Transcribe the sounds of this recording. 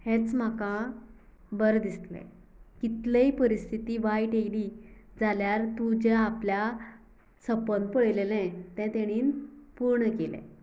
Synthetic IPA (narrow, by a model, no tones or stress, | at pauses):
hɛ̃t͡sm̤akã | bəɾd̪ist̪lɛ̰̃ | kit̪leipəɾist̪ʰit̪iːʋajʈeɽid͡zaljaɾt̪ũd͡ʑeaplja | səpən̚pəɭlelɛ̃t̪ɛ̃t̪eɽ̃iːnpuɾɳəkelɛ̰̃